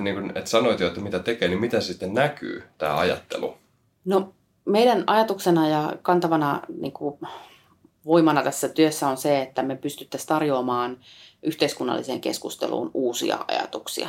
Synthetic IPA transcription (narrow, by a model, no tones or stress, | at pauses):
niːŋkunet̪sɑnoit̪joet̪ːæmit̪æt̪ekeːnimit̪ensit̪ːennæky̰ːt̪æ̰ːɑ̰jɑ̰t̪ːḛlṵ | no | meiɾænɑjɑt̪uksenɑjɑkɑnt̪ɑʋɑnɑnḭːŋku | ʋoimɑnɑt̪æsːæt̪yøsːæonseet̪ːæmepyst̪yt̪ːæst̪ɑrjoːmɑːnʔyht̪eiskunːɑ̰lːʔiseːŋke̞̰skust̪ḛlṵːnuːsḭɑ̰ɑ̰jɑ̰t̪uksḭɑ̰